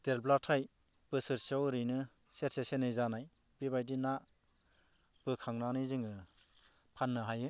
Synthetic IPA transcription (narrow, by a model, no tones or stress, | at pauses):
d̥elblatʰaj | b̥ɯsɯɾsiawɾɯjnɯ | setsesenɯjzanaj | bibajdina | b̥ɯkʰaŋnanɯjzɯŋɯ | pʰanːɯɦajɯ